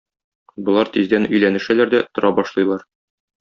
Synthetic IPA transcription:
bŏlˠɑɾt̪izd̪ænɵ̆jlænɘ̆ʃælæɾd̪æt̪ŏɾɑbɒʃlˠɤ̆jlˠɑɾ

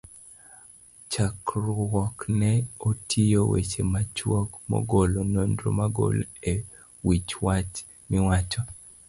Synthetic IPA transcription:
t͡ʃakɾɔwɔknɛotʰijowḛt͡ʃemat͡ʃwɔkmɔ̰ɡolonondɾo̰maɡo̰le | wit͡ʃwat͡ʃ | mɪwat͡ʃɔ

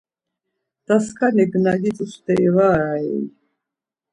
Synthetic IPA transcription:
d̪̥askʰaniɡnaɡit͡sʼust̪ɛivaɾaɛ̰j

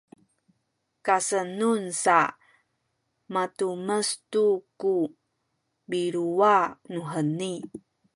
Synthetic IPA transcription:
kasənunsa | matuməstuku | biɾuanuɦəni

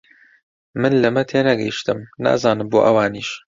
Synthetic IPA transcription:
mɨnlɐmɐt̪ʰenɐɡɐjiʃt̪ɨmna̰ːzaːnɨmboːʔɐwaːniːʃ

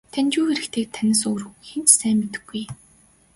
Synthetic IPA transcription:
t̪ʰænʲt͡ɕuːxeɾɘ̆kt̪ʰeːkt̪ʰænʲɪ̆s̬ɵːɾxent͡ɕsæːmːet̪ɘ̆ɡːuj

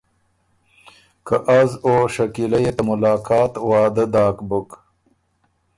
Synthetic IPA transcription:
kaʔazoʂɐkilɐjet̪ɐmʊlɑːkɑːt̪wɑːd̪ɐd̪aːkbʊk

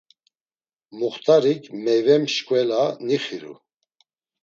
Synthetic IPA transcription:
muχt̪ʼaɾikʰmɛjvɛmʃkʼwɛlaniχiɾṵ

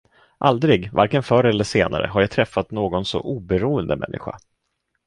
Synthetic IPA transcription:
ʔald̪ɾɪɡva̰ɾkənfœɾɛlːəʂeːna̰ɾə̰ɦaɾjajt̪ʰɾɛfːat̪noːɡɔnsɔ̰ʔuːbɛɾuːənd̪əmɛ̰nːɪɧa̰

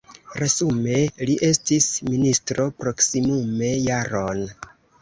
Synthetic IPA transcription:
ɾezume̞liʔe̞stisministɾo̞pɾo̞ksimume̞jaɾo̞n

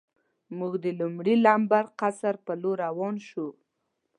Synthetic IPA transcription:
muɡd̪əlumɽilambaɾqasaɾpəloɾawɑnʃu

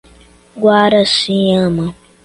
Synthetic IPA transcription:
ɡwaːɾɐsĩjãma

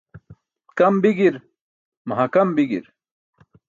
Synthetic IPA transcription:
kɐmbiɡiɾ | mɐɦɐkɐmbiɡḭɾ

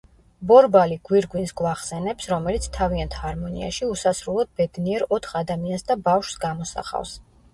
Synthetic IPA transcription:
bɔɾbaliɡ̥wiɾɡwinsɡvaχsɛnɛpsɾɔmɛlit̪sʰt̪ʰaviant̪haɾmɔnḭa̰ʃiusasɾulˠɔd̪̚bɛd̪niɛɾɔt̪ʰχad̪amiansd̪abafʃsɡamɔsa̰χa̰fs

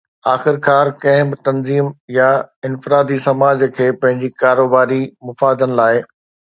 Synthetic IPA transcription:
aːxɪɾkʰaːɾkɐ̃ɦɪ̃bɪt̪ɐnziːmjaɪnfɪɾaːd̪isɐmaːd͡ʑkʰeːpɐ̃ɦɪ̃ɲd͡ʑikaːɾoːbaːɾimʊfaːd̪ənɪ̆laːɪ

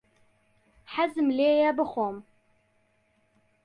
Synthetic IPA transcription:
ħazɨmleːjabɨχʷom

